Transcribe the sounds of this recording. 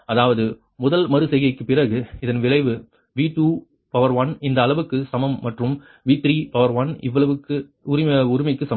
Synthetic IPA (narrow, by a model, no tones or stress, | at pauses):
ɐðaːʋɐðɯ | mʊðɐlmɐɾɯsɛjɣɐɪkːɯpɪrɐɣɯɪðɐnʋɪɭɐɪʋɯ | ʋiːʈuː | pɐʋɐɾʋɐnɪnd̪ɐːlɐʋɯkːɯsɐmɐmːɐʈrɯm | ʋiːt̪ɾiːpɐʋɐɾʋɐnɪ̰ʋːɐɭɐʋɯkːɯʊɾɪɐʊɾɪmɐɪkːɯsɐm